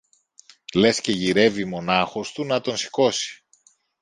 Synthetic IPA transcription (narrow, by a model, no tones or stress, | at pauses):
le̞sce̞ʝiɾe̞vimo̞nɐxo̞st̪unɐt̪o̞nsi̥ko̞si̥